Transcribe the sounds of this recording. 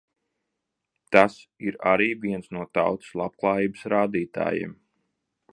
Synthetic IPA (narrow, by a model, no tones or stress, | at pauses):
t̪asiɾa̰ɾiːviɛnsnuɔt̪awt̪ɨ̥slˠapklˠaːjiːbəsɾaːd̪iːt̪a̰ːjḛm